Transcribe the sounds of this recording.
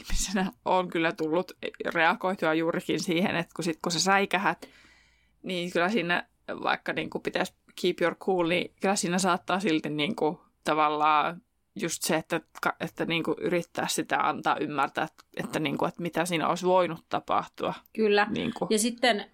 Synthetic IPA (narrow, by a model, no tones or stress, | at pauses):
hmisenæʔoŋkylːæt̪ulːut̪reɑkoit̪uɑjuːrikinsiːhḛnet̪kusit̪kusesɑikæhæt̪ | niːkylːæsiːnæ̰ | ʋɑ̰ikːɑniːŋkupit̪æs | kʰiːpjorkʰhuːlnḭkylæsiːnæsɑːt̪ːɑːsilt̪inniːŋku | t̪ɑʋɑlːɑː | just̪seet̪ːækɑet̪ːæniːŋkuʔyrit̪ːæ̰ːssit̪æ̰ɑ̰nt̪ɑːʔymːært̪æ̰ːt̪ḛt̪ːæniːŋkuet̪mit̪æsiːno̰isʋoinut̪tɑpɑ̰ht̪uɑkylːænḭːŋkujɑsit̪ːen